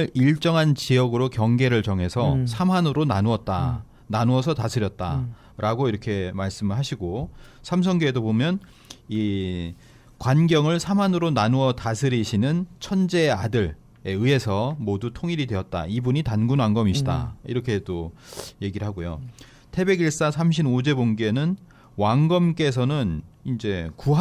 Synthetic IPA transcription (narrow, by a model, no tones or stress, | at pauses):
ɯɾiɭt͡ɕ͈ʌŋɦant͡ɕiʌɡɯɾokjʌŋɡe̞ɾɯɭt͡ɕʌŋɦe̞sʰʌsʰamɦanɯɾonanuʌt̚t͈a | nanuʌsʰʌtasʰɯɾjʌt̚t͈a | ɾʔaɡoiɾʌkʰe̞maɭs͈ɯmɯɭɦaɕʰiɡosʰams̬ʰʌŋɡeedobomjʌn | i | kwanɡjʌŋɯɭsʰamɦanɯɾonanuʌtasʰɯɾiɕʰinɯnt͡ɕʰʌnd͡ʑeadɯɭ | eɯe̞sʰʌmodutʰoŋiɾidwe̞ʌt̚t͈a̰ibuɲitanɡunwaŋɡʌmiɕʰida̰iɾʌkʰe̞t͈oje̞ɡiɾɯɭɦaɡojo̰ | tʰe̞be̞ɡiɭs͈asʰamɕʰinod͡ʑe̞boŋɡenɯn | waŋɡʌmk͈e̞s̬ʰʌnɯn | ind͡ʑe̞kuɦ